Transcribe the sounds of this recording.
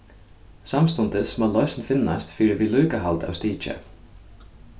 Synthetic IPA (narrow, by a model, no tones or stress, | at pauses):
samst̪ʊnt̪ɪsmɔlɔʏsnfɪnːa̰st̪fiːɾɪʋiːluːkaɦalt̪a̰wst̪iːt͡ʃə̰